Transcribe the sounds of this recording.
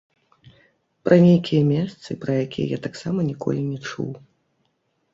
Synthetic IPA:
pɾʔɐnʲejkʲijɐmʲɛst̪sɨpɾɐjakʲijɐ̰jat̪aksamɐnʲikɔ̰lʲinʲɛt͡ʂṵw

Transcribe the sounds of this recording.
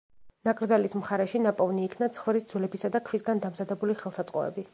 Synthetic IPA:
nakʼɾd̪zalismχaɾɛʃinapʼɔvniːkʰnat̪sʰχvɾisd̪zwlɛbisad̪akʰvisɡand̪amzad̪ɛbuliχɛlˠsat̪sʼqʼɔ̰ɛ̰bi

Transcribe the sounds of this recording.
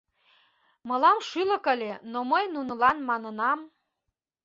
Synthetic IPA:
mɤ̆lɑmʃylə̆kə̆lʲenoməjnunə̆lɑnmɑnənɑm

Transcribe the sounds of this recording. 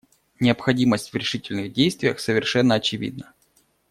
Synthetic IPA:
nʲɪəpxɐdʲiməsʲtʲvɾʲɪʂɨtʲɪlʲnɨɣdʲejst̪vʲɪjəxsəvʲɪrʂɛnːəɐt͡ɕɪvʲḭd̪nə

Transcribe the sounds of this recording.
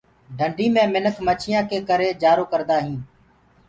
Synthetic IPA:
ɖʱəɳɖʱiːmẽːmɪnəkʰmət͡ʃʰɪjãːkeːkəɾeːd͡ʒaːɾoːkəɾd̪aːɦĩː

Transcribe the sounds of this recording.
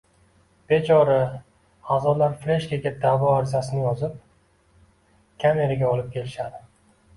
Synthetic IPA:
b̥e̞t͡ʃʰɒɾɪ | azɒlaɾfle̞ʃkʲaɡʲad̪avɒaɾzasɪnɪjɒzɪp̚ | kʲʰame̞ɾaɡʲaɒlɪp̚kʲʰe̞lɪʃad̪ɪ

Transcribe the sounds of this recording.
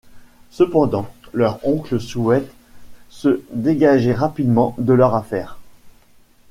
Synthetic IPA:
səpɑ̃d̪ɑ̃lœʁɔ̃kləsuɛt̪ | səd̪eɡaʒɛʁapid̪mɑ̃d̪əlœʁafɛːʁ

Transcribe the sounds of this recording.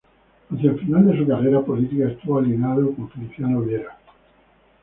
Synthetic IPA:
anθjelfinald̪e̞s̬ukareɾapo̞lit̪ikaest̪uβaljinaðokoɱfiliθjanoβjeɾa

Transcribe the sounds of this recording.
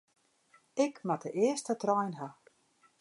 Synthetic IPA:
ɪkmatʰəʔɪəstətrɔjnɦa

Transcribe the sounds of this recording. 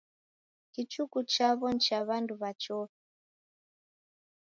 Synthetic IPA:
kit͡ʃukut͡ʃaβɔnt͡ʃaβanduβat͡ʃɔ

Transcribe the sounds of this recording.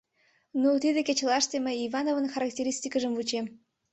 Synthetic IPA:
not̪id̪ĕkʲet͡ɕlɑʃt̪emʲejivɑnovənxaɾak̚tʲeɾʲisʲt̪ʲikəʒəmvut͡ɕem

